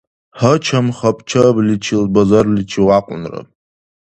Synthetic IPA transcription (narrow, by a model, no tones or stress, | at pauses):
ħət͡ʃʰamχapʼt͡ʃʰablit͡ʃʰilbazarlit͡ʃʰiwaqʷʼʊ̰nra̰